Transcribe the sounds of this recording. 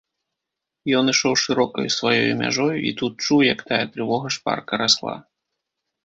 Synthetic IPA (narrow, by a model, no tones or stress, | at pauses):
jɔnɨʂɔwʂɨɾɔkɐjusvajɔjumʲa̰ʐɔjuʔḭt̪ut̪̚t͡ʂuwjɐkt̪ajɛt̪ɾɨvɔɣɐʂpa̰rkɐɾaslˠa̰